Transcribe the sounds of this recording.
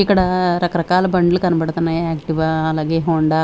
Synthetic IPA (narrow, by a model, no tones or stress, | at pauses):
ikːɐɽɐɾɐkɐɾɐkaːlɐbɐɳɖɐlukɐnɐbɐɽt̪ɐnɐaːkʈiʋaːlaːɡeːɦoːɳɖa